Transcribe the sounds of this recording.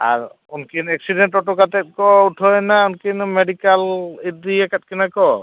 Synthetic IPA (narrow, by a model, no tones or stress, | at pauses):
a̰ɹ | unkinɛk̚sidɛntɔtɔkat̪ɛt̚kɔutʰɔjnaunkinmeɖikalit̚diɛkat̚kinakɔ